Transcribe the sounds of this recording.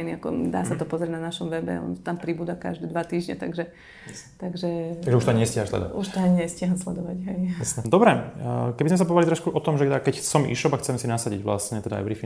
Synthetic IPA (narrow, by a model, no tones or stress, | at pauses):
jniakɔ̰d̪a̰ːsat̪ɔpɔzɾʲiɛdnanaʃɔmʋɛbɛ̰ɔ̰nt̪t̪ampɾibuːd̪aka̰ʒd̪ɛːd̪ʋat̪iːʒɲɛ̰t̪aɡʒɛ | t̪aɡʒɛaɡʒɛuʃt̪ɔaɲɛscjaɦanslɛ̰d̪ɔ̰a̰ʔuʃt̪aɲɛscɪaɦanslɛd̪ɔʋaɟɦɛjɛsd̪ɔbɾɛkɛbizmɛs̬apɔɦʋalit̪ɾɔʃkuʔɔt̪ɔmʒɛakɛcsɔmʔḭːʃɔbakxt͡sɛmsinasaɟiɟʋla̰sɲɛt̪ɛd̪a̰ːjʋɾifi